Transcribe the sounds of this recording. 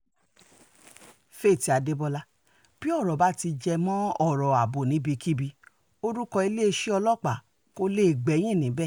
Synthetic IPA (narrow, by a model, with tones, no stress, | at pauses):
fe˦˨ti˧˦a˨de˦bɔ˧la˦ | b̥i˦ɔ˦˨ɾɔ˨ba˨˦ti˧d͡ʒɛ˧mã˦ɔ˦˨ɾɔ˨a˨bo˨nĩ˨˦bi˧˦ki˦bi˧ | o˦ɾu˦kɔ˧i˧le˦˧ʃe˦ɔ˧lɔ˦˨k͡pa˦˨ | ko˦le˦˨ɡ͡bɛ˨˦j̃ĩ˦˨nĩ˨˦bɛ˦˨